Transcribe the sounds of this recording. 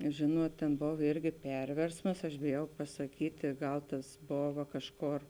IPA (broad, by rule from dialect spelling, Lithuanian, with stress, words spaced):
ˈʒʲeːnuɔt tʲeːn ˈboːw ˈɪrʲɡʲɪ ˈpʲɛrʲʋʲɛrsmɐs ɐʃ bʲeːˈjɛʊ pɐsɐˈkʲiːtʲeː ˈɡɐlˠ tɐs ˈboːʋɐ ˈkɑːʃˌkoːr